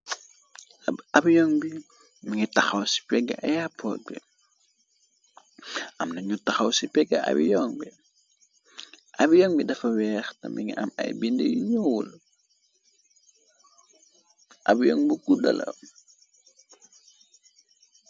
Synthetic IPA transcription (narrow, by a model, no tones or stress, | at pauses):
ɐbjɔŋbi | miŋitɐxɐwsi̥pɛɡɐ̰ʔɐjapɔbɛ | ʔɐmnɐɲutɐxɐwsipɛɡɐʔɐ̰bḭjɔːŋbi | ʔɐbijɔːŋbidɐfɐwɛːxtɐ̰miŋḭʔɐ̰mɐ̰jbində̰jiɲuwul | ʔɐbjɔːŋbiɡudɐ̰lɐ̰w